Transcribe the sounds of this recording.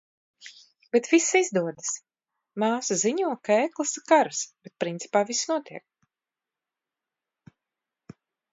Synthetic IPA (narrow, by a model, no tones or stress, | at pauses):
b̥et̪visizd̪uɔd̪ɨs | maːsaziɲuɔkaeːklˠasikaɾsb̥et̪̚pɾint̪si̥paːvisnuɔt̪ʰiɛk̚